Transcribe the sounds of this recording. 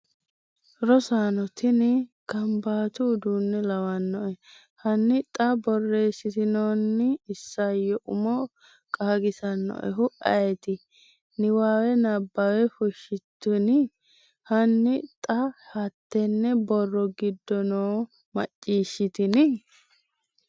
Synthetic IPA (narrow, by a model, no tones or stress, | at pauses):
ɾɔsaːnɔt̪ɪnɪkɐmbaːt̪uːd̪uːnːɛlɐwɐnːɔʔɛ | hɐnːɪt̪ʼɐbɔrːe̞ːsːɪt̪ɪnoːnːɪːsːɐjɔʔʊmɔ | kʼaːɡɪsɐnːɔ̰ʔɛ̰ɦʊʔɐ̰jɛt̪ɪ | nɪwaːwɛnɐbːɐwɛfʊʃːɪt̪ːʊnɪ | hɐnːɪt̪ʼɐhɐt̪ːɛnːɛbɔrːɔɡɪd̪ːɔnoː | mɐ̰t͡ʃʼːiːʃːɪt̪ɪnɪ